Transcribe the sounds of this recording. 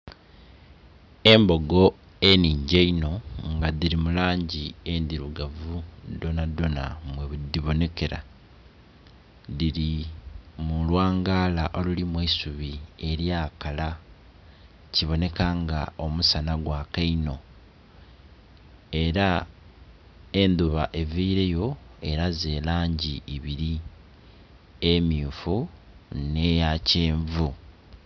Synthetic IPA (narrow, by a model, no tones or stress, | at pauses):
e̞mbo̞ɡo̞ | eniːɲɟeino̞ŋɡaðiɾimulaːɲɟie̞nd̪iɾuɡavud̪o̞nado̞na̰mweβud̪iβo̞ne̞ke̞ɾa̰ | ðiɾi | mulwaːŋɡaːlaʔo̞lulimwiisuβie̞ɾjaːkala | ciβo̞ne̞kaːŋɡa̰o̞musanaɡwaːkaino̞ | e̞ɾa | e̞nd̪uβaʔe̞viːɾe̞jo̞e̞ɾaze̞ːlaːɲɟiiβiɾi | emiːfu | nejaceːɱvu